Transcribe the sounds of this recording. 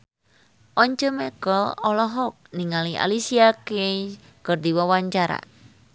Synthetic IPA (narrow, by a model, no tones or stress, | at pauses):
ʔɔɲd͡ʒɔmɛkɔɔlɔɦɔk̚niŋaliʔa̰lisiake | kərd̪iwɔwaɲt͡ʃaɾa̰